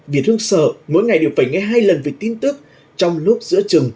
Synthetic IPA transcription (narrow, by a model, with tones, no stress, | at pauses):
vi˨˩ət̚t̪ʰɨ˧ə˧ŋsəː˧˩mo̰˧˥jŋa˨˩jɗe˨˩əwfə˨˧˩jŋɛ˧ɦaː˧jlə˨˩nvi˨˩t̪i˧nt̪ɨ˦˥k̚ | t͡ɕɔ˧wŋ͡mlʊ˦˥k͡p̚zɨ̰˧˥ət͡ɕɨ˨˩ŋ